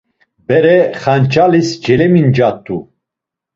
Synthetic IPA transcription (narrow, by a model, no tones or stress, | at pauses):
bɛɾɛχant͡ʃʰʼalisd͡ʒɛlɛmind͡ʒat̪ʰʼːu